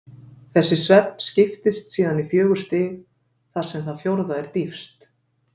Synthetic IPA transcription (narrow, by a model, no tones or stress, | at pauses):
θɛsːɪsvɛtn̥scɪft̪ɪst̪siːðanifjœːɣʏɾ̥st̪ɪːɣ | θaɾ̥sɛmθaðfjowɾðaɛɾ̥t̪ifst̪